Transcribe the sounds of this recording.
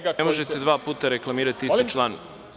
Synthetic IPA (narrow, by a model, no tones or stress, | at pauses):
emoʒet̪ed̪ʋaːpuːt̪aɾe̞klˠamiːɾat̪iiit͡ʃlˠani